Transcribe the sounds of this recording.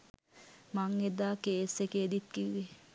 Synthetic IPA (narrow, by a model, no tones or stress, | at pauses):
maŋed̪aːkeːsekeːd̪it̪̚kiʋʋe